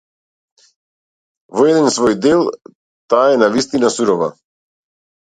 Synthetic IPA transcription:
vɔɛd̪ɛnsvɔjd̪ɛlˠ | t̪aːɛnavist̪inasuɾɔva̰

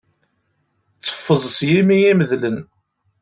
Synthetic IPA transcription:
t͡sːə̥fːəzˤəsjimijæməðlən

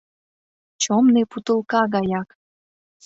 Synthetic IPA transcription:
t͡ɕomneput̪əlˠkɑɣɑjɑk

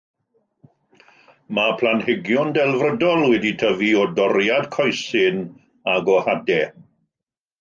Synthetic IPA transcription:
mapʰl̥ˠanhɪɡjʊndɛlˠvrədɔlˠwɛditʰəviɔdɔɾjad̥kʰɔjsɪn | aɡɔhadɛ

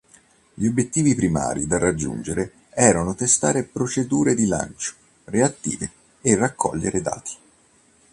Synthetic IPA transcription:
ʎiobjet̪ːiːvipɾima̰ːɾid̪arːad͡ʒːṵnd͡ʒeɾe | ɛːɾanot̪est̪aːɾepɾot͡ʃed̪uːɾed̪ila̰nt͡ʃo̥ | reat̪ːḭːveː | rːakʰːɔ̰ʎːeɾed̪a̰ːt̪i̥

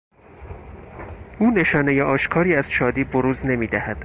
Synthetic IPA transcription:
ʔuːne̞ʃɒːnejeʔɒːʃkʰɒːɾiːæz̥ʃɒːd̪iːboɾuːzne̞miːd̪æhæd̪̥

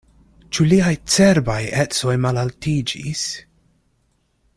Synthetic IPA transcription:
t͡ʃuliajt͡seɾbajet͡so̞jmalaltid͡ʒḭs

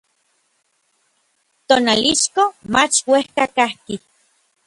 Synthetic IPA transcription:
t̪oːnaliʃkomat͡ʃwehkakahki

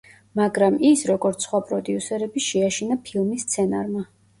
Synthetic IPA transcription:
maɡɾamisɾɔɡɔɾt̪sʰsχwapʼɾɔd̪iusɛɾɛbiʃɛaʃinapʰilˠmisːt̪sʰɛnaɾma

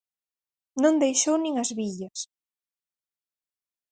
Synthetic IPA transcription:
nõnd̪ejʃownĩŋɐzβiʎɐs

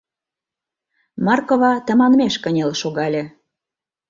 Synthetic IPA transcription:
mɑrkoβɑt̪ə̆mɑnmeʃkə̆nʲelʃoɣɑlʲĕ

